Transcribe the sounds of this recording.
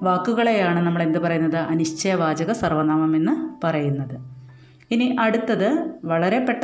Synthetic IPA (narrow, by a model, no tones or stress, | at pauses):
ʋaːkːuɣɐɭe̞jaːɳɨnɐmːɐɭe̞nd̪ɨpɐrɐjunːɐðɨʔɐniɕt͡ɕɐjɐʋaːd͡ʑɐɣɐsɐrʋɐnaːmɐme̞nːɨpɐrɐjunːɐðɨ | iniʔɐɽut̪ːɐðɨʋɐɭɐɾe̞pːe̞ʈːɐ